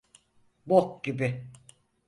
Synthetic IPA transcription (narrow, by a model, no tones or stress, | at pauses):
bokɟibɪ